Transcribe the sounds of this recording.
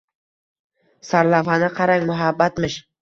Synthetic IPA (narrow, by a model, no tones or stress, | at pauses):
saɾlawanɪqʰɑɾaŋmʊɦabːat̪mɪʃ